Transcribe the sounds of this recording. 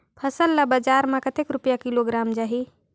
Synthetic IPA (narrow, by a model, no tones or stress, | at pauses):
pʰəsəlːabəd͡ʒaɾmãkət̪ekɾupjakiloɡɾamd͡ʒaɦi